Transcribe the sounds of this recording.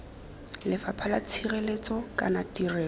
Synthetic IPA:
lɪfapʰalat͡sʰirelet͡sɔkanatirɛː

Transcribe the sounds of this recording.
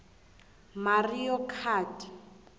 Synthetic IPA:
marijɔkʰaːti̥

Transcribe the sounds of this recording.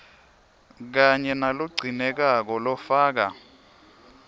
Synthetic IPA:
k̬aɲɛnaluɡ͡ǀʱinɛk̬ak̬ɔlɔfaːk̬a

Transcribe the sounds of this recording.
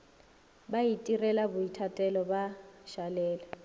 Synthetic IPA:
baitʼirɛlabʊitʰatʼɛlɔbaʃalɛːlɛ

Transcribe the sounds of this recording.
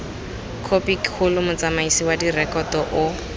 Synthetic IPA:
kʰopikhʰʊlʊmʊt͡samaisiwadirɛkɔtɔʔʊ

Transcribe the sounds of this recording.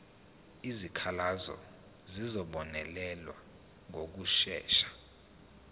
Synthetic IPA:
izikʰalazɔ̰ | zizɔɓɔnɛlɛlwa̰ | ŋok̬uʃɛ̰ːʃḁ

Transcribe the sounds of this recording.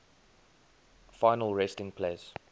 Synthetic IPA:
faɪnəlˠɹɛstɪ̃ŋpʰleɪs

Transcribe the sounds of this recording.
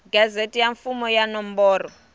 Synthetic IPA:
ɡazetʼijaɱfumɔjanɔmbɔːrɔ

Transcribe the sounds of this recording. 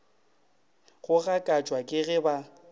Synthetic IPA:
ɣʊɣakʼat͡ʃʼwakʼɪɣɪba

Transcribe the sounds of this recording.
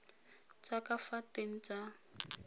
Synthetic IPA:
t͡sakʼafateŋ̩t͡sʼa

